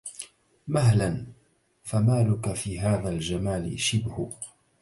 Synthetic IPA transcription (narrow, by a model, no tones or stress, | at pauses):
maɦlan | famaːlʊkafiːɦaːðaːld͡ʒamaːlɪ̰ʃɪbhʊ